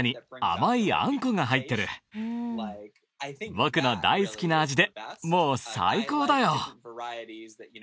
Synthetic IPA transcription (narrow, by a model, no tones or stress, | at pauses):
ɲ̟ia̰maiã̰ŋko̞ŋaɦait̪ːe̞ɾɯ̟ | bo̞kɯ̟no̞d̪a̰isɨ̥kʲinaːʑid̪e̞mo̞ːsa̰iko̞ːd̪ajo̞